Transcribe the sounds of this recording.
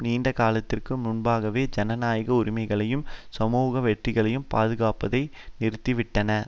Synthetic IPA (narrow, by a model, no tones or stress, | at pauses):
niːɳɖɐkaːlɐt̪ːɪrkɯmʊnbaːɣɐʋeːd͡ʒɐnɐnaːjɣɐʊɾɪmɐɪɣɐɭɐjɯmsɐmuːɣɐʋɛʈrɪɣɐɭɐjɯmpaːðɯɣaːpɐðɐɪnɪɾɯt̪ːɪʋɪʈːɐnɐ